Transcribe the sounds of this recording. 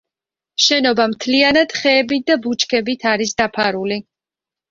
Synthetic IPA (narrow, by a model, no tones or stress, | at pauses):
ʃɛnɔbamt̪ʰlianad̪̥χɛːbit̪̚ʰd̪abut͡ʃʰkʰɛbit̪ʰaɾisd̪apʰaɾuli